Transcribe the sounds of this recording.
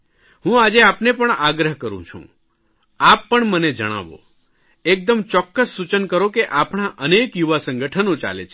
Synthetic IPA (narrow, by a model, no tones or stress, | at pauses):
ɦũad͡ʒeapnepəɳaɡɾəɦkəɾṵ̃t͡ʃʰṵ̃ | apːəɳməned͡ʒəɽ̃a̰ʋo̰ | ek̚d̪əmt͡ʃɔkːəsːut͡ʃənkəɾokeʔapɳ̃aʔənekjuʋasə̃ŋɡəʈʰənot͡ʃa̰lḛt͡ʃʰe